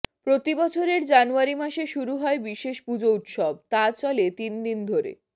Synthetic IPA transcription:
pɾot̪ibɔt͡ɕʰoɾeɾd͡ʑanuaɾimaʃeʃuɾuɦɔebiʃeʃpud͡ʑout̪ʃɔb̚t̪at͡ɕɔlet̪ind̪ind̪ʱoɾḛ

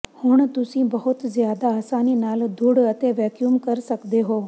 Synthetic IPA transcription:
hʊɳ̃t̪ʊsĩbɐɦʊt̪zjaːd̪aːsaːninaːld̪ʱuɽət̪eʋɛːkjumkɐɾsɐkd̪eɦoː

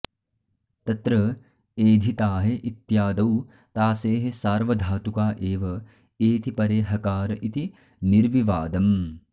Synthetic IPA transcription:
t̪ɐt̪ɾɐ | eːd̪ʱit̪aːɦeʔit̪jaːd̪ɐw | t̪aːseːɦesaːɾʋɐd̪ʱaːt̪ukaːʔeːʋɐ | eːt̪ipɐɾeːɦɐkaːɾɐʔit̪i | niɾʋiʋaːd̪ɐm

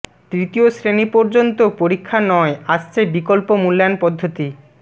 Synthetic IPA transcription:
t̪ɾit̪iosɾenipoɾd͡ʑont̪opoɾikʰːanɔeaʃt͡ɕʰebikolpomulːanpɔd̪ʱːot̪i

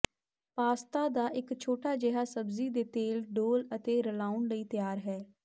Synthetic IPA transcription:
paːst̪aːd̪aːʔɪkt͡ʃʰoːʈaːd͡ʒɛɦaːsəbziːd̪eːt̪eːlɖoːlət̪eːɾəlaːʊnləiːt̪ɪjaːɾɦɛː

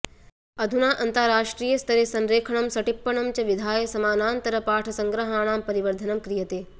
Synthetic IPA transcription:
ɐd̪ʱunaːʔɐnt̪ɐɾaːʂʈɾiːjɐst̪ɐɾesɐnɾeːkʰɐɳ̃ɐmsɐʈipːɐɳɐmt͡ʃɐʋid̪ʱaːjɐsɐmaːnaːnt̪ɐɾɐpaːʈʰɐsɐŋɡɾɐɦaːɳ̃aːmpɐɾiʋɐɾd̪ʱɐnɐmkɾijɐt̪eː

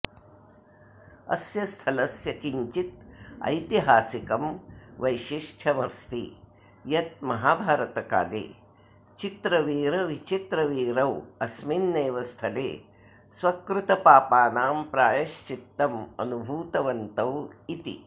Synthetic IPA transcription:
ɐ̰sjɐst̪ʰɐlɐsjɐkiɲt͡ʃit̪̚ɐ̰jt̪iɦaːsikɐmʋɐjʃiʂʈʰɐmɐst̪ḭ | jɐt̪̚mɐɦaːbʱaːɾɐt̪ɐka̰ːd̪ḛː | t͡ʃit̪ɾɐʋiːɾɐʋit͡ʃit̪ɾɐʋiːɾɐwɐsminːeːʋɐst̪ʰɐlḛː | sʋɐkɾut̪ɐpaːpaːnaːmpɾaːjɐʃt͡ʃit̪ːɐmɐ̰nubʱuːt̪ɐʋɐnt̪ɐwit̪ḭ

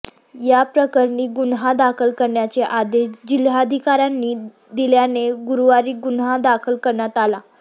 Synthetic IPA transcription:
japɾəkəɾɳiːɡunɦad̪akʰəlkəɾɳjat͡seʔad̪eɕd͡ʑilad̪ʱikaɾjanːiː | d̪iljaneɡuɾuʋaɾiːɡunɦad̪akʰəlkəɾɳjat̪ala

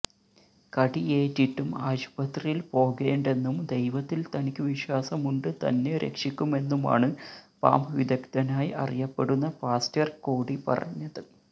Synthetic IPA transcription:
kɐɽieːtːiʈːumaːɕpɐt̪rijilpo̞ːɣeːɳɖe̞nːumd̪e̞jʋɐt̪ːilt̪ɐnikʲːɨʋiɕwaːsɐmuɳɖɨt̪ɐ̰nːe̞ɾḛkʂikʲːume̞nːuma̰ːɳɨpa̰ːmʋid̪ɐkt̪ɐnaːjiʔɐ̰rijɐpːe̞ɽunːɐpaːstjɐrkoːɽipɐ̰rɐ̰ɲːɐðɨ

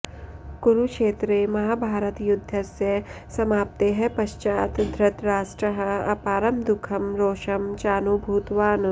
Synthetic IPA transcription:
ɡ̥uɾukʃeːt̪ɾemɐɦaːbʱaːɾət̪jʊd̪ʱːɐsjɐ | sɐmaːp̚t̪eɦɛ̃pɐʃt͡ʃaːt̪d̪ʱɾɪt̪ɾaːsʈɾɐɦɐ̰paːɾɐmd̪ʊkʰɐmɾoːʃɐmt͡ʃaːnubʱuːt̪ʋaːn

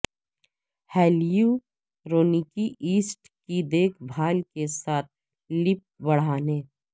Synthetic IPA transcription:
hɛːliju | ɾoːnikiʔiːsʈ | kid̪eːkʰbʱaːlkesaːt̪̚ʰ | lɪp̚bɐɽ̤aːneː

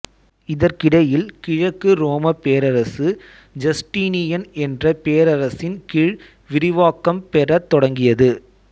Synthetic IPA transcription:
ɪðɐɾkɪɽɐjɪlkɪɻɐkːɯɾoːmɐpeːɾɐɾɐsɯ | d͡ʒɐsʈiːnɪjɐnɛndrɐpeːɾɐɾɐsɪnkɪɻ | ʋɪɾɪʋaːkːɐmpɛrɐt̪ːɔɽɐŋɡɪjɐðɯ

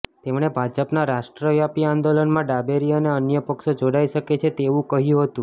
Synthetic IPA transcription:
t̪emɽ̃ebʱad͡ʒəpnaɾaʃʈɾəʋjapiand̪olənmãɖabeɾijaneənjəpəkʃod͡ʒoɽaiʃəket͡ʃʰet̪eʋũkəɦjũɦət̪ũ

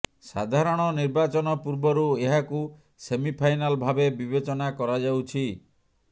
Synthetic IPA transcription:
sa̰d̪ʱaɾɔɽ̃ɔniɾbat͡ʃɔnɔpuɾbɔɾueɦaku | semipʰajnalbʱabebibet͡ʃɔnakɔɾad͡ʒawt͡ʃʰi

